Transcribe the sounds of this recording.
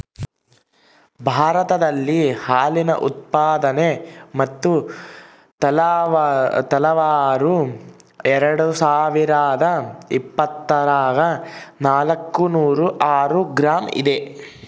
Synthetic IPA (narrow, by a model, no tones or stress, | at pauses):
bʱaːɾɐt̪ɐd̪ɐlːihaːlinɐʔut̪̚paːd̪ɐnemɐt̪ːu | t̪ɐ | t̪ɐlɐʋaːɾu | ɛɾɐɽusaːʋiɾaːd̪ɐipːɐt̪ːɐɾaːɡɐnaːlɐkːunuːɾuʔaːɾuɡɾaːmḭd̪e